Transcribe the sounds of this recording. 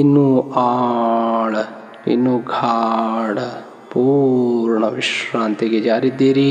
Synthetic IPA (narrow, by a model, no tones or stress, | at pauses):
ɪnũːaːɽ | ɪ̰nũːɡʱaːɽ | puɾɳəʋɪʃɾãːnt̪iɡed͡ʒaːɾid̪eːɾi